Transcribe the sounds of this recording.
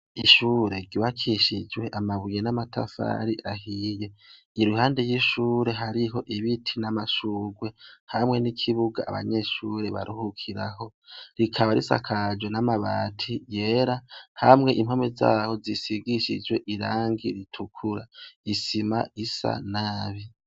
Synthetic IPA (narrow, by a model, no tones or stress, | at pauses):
iʃuːɾe̞ɟuwakʰiʃid͡ʒwe̞ʔamaβijenamatʰa̰fa̰ɾiʔahije̞ | iɾuhaːnde̞jiʃuːɾe̞ɦaɾiɦo̞ʔiβitʰinamaʃuːɡwe̞hamŋe̞nikʰiβuɡa̰ːβa̰ɲe̞ʃuːɾe̞βa̰ɾuhukʰiɾaɦo̞ɾikʰaβaɾḭsa̰kʰad͡ʒwenamaβaːtʰije̞ːɾahamŋe̞ʔim̥homeza̰ːho̞zisiɡiʃḭd͡ʒwe̞ʔiɾaːŋɡiɾitʰukʰuɾaisimaisa̰naːβi